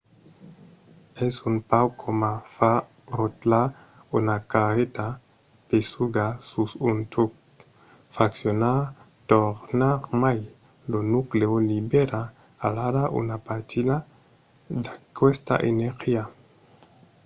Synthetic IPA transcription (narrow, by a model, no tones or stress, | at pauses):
ɛsunpawkʰomafa | ɾot̪la | unakaʁet̪a | pesuɡasusunt̪uk | faksjona | t̪oʁnaʁmaj | lonukleolibeɾaː | laɾaʔṵnapat̪ida | d̪akwest̪a̰ʔḛneɾxia